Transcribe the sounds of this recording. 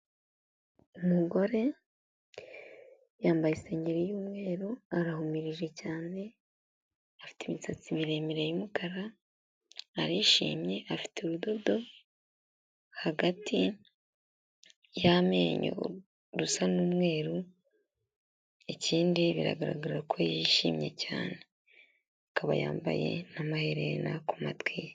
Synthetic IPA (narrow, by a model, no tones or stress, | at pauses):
umuɡo̞ɾe̞ | jaːmbajisaɲiɾejuːmŋe̞ːɾoaɾaɦumiɾiʒe̞caːne̞ | afi̥temit͡sat͡simiɾemiɾejumukaɾa | aɾiʃḭːmje̞ʔafi̥tʰeuɾudo̞do̞ | haɡatʰi | jame̞ːɲo̰ | ɾusanumŋe̞ːɾu | eciːndiβiɾa̰ɡaɾa̰ɡaɾɾakʰojiʃiːmɲe̞̰ca̰ːne̞ | akʰaβa̰ja̰ːmba̰je̞̰namaheɾena̰kumatwi